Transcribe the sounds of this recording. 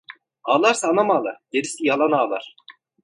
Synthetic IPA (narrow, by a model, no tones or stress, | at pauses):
aːlˠaɾsaːnamaːlˠaɟ̪eɾisʲijalˠanaːlˠaɾ̥